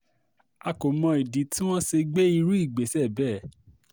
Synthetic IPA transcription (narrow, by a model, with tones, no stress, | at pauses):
a˧ko˨mɔ̃˧i˨di˨˦tĩ˦w̃ɔ̃˦ʃe˧ɡ͡be˦i˧ɾu˦i˦˨ɡ͡be˨˦sɛ˦˨bɛː˦˨